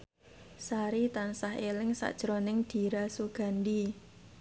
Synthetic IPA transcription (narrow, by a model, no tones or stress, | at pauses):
saɾit̪ansaɦelɪŋsa̰ʔd̥ʒ̥ɾonɪŋd̪̥i̤ɾasuɡ̥a̤ndi